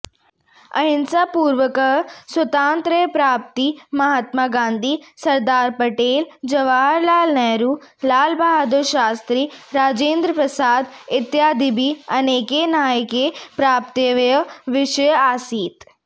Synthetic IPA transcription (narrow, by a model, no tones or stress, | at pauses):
ɐ̰ɦɪnsapuːɾʋəkɐɦswɐt̪ãːnt̪ɾəjpɾaːp̚t̪imɐɦaːt̪maːɡãːnd̪ʱisɐɾd̪aːɾpɐʈeːld͡ʒɐʋaːɾlaːlnɛːɾuː | laːlbaːɦad̪oʃaːst̪ɾiːɾaːd͡ʒẽːnd̪ɾəpɾɐsaːd̪ɪt̪jaːd̪ɪbʱiɐneːkenaːjkepɾaːp̚t̪əʋjəʋɪʃəjaːsiːt̪